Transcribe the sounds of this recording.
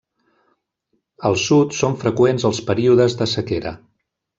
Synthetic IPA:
əlˠsut̪soɱfɾəkwenzəlˠspəɾiuðəzðəsəkeɾə̰

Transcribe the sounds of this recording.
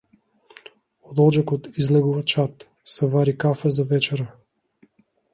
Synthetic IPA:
od̪ɔd͡ʒakot̪izlɛɡuvat͡ʃat̪ | sɛvaɾikafɛzavɛt͡ʃɛɾə

